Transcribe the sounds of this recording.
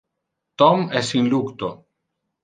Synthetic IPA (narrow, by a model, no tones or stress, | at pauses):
t̪ɔmɛsĩnlukt̪o